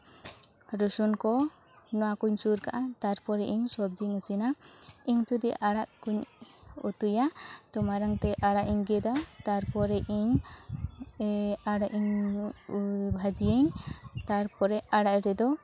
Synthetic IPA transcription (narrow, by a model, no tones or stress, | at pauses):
ɾusunkɔ | nɔwakuɲsuɾkaʔat̪aɾpɔɾɛʔiɲsɔb̚d͡ʒiŋəsinaiɲt͡ʃud̪iʔaɽaʔkuɲṵt̪ujat̪ɔmaɾaŋt̪ɛʔaɽaʔiɲɡɛd̪ɔt̪aɾpɔɾɛʔiɲ | aɽaʔiɲ | bʱad͡ʒijeɲt̪aɾpɔɾɛaɽaʔɾɛd̪ɔ